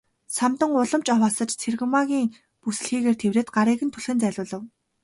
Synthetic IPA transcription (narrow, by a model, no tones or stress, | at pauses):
samt̪ə̆ŋʊɮə̆mt͡ɕɔwaːsə̆t͡ɕt͡sʰerɣɘ̆maɣʲiːŋ | pusɘ̆ɮxiːɣeːrt̪ʰewreːt̪̚ɢaɾiːɣɘ̆nt̪ʰɵɮxɘ̆nt͡sæːɮʲʊːɮə̆w